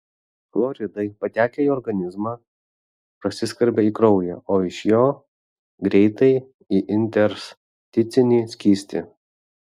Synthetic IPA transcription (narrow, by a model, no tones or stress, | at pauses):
flˠɔɾʲɪd̪ɐɪpɐt̪ʲæːkʲɛiɔɾɡɐnʲɪzmɑː | pɾɐsʲɪsʲkɐɾʲbʲɛiːkɾɒʊjɛʔoːɪʃjoː | ɡɾʲɛɪt̪ɐɪ | iʔɪnʲt̪ʲɛɾs | t̪ʲɪt̪sʲɪnʲiːsʲkʲiːsʲt̪ʲɪ